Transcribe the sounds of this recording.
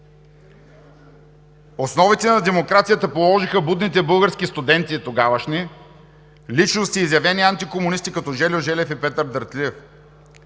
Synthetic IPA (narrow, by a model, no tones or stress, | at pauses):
osnɔvit̪ɛnɐd̪ɛmokɾat̪sijət̪ɐpolˠɔʒixəbud̪nit̪ɛbɤlˠɡəɾskist̪ʊd̪ɛnt̪iːt̪oɡavəʃni | lit͡ʃnost̪iːzjɐvɛniant̪ikomʊnist̪ikɐt̪ɔʒɛlʲoʒɛlɛfipɛt̪əɾd̪əɾt̪liɛf